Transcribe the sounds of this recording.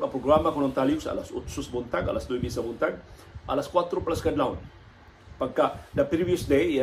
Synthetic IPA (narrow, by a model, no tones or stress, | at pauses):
apɾoɡɾamakɔnɔnt̪aliusa̰lasut̪susbunt̪aŋa̰lasd̪uibisabunt̪an | ʔa̰laskwat̪ɾuplaskadlaun | paŋkaʔdəpɾiviəsde